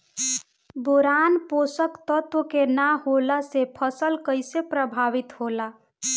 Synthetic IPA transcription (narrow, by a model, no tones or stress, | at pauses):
boɾanposəkt̪ət̪wəkenaɦolasepʰəsəlkəɪsepɾəbʱaːʋit̪ɦola